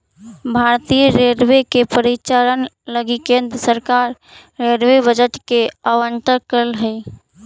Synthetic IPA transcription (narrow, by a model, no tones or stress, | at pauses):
bʱaɾt̪ijəɾeɾʋekepəɾit͡ʃaɾən | ləɡikend̪ɾəsəɾkaɾː | eɾʋebəd͡ʒəʈkeəwəɳʈəkəɾəlɦəj